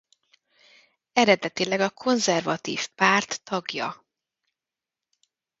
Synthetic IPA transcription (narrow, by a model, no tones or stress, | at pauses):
ɛɾɛd̪ɛt̪ilɛɡɒkʰo̞nzɛrvɒt̪ḭːfpaːrt̪ːɒɡjɒ̰